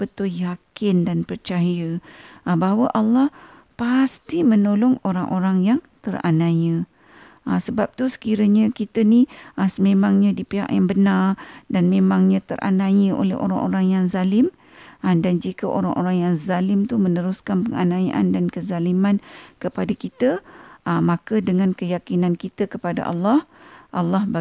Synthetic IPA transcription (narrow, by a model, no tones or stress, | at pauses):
bət̪ʊljakɪndanpərt͡ʃaɦijəʔəbaɦawəʔalːɑh | past̪imənolɔŋoɾaŋʔoɾaŋjaŋt̪əra̰nãjə | ʔasəbap̚t̪usə̥kiɾəɲə̃kit̪əniʔasəmemaŋɲãdipiɦa̰ʔjaŋbənardanmẽmaŋɲãt̪ə̰rʔa̰najəʔo̰lɛ̰ɦo̰ɾa̰ŋʔo̰ɾaŋjaŋzalɪm | dand͡ʒikəʔoɾaŋʔo̰ɾaŋjaŋzalɪmt̪umənəɾuskanpəŋa̰nãiʔa̰ndankəzalimãnkəpadakit̪əʔəmakədəŋankəjakinãnkit̪əkəpada̰ʔa̰lːɑhʔalːɑhba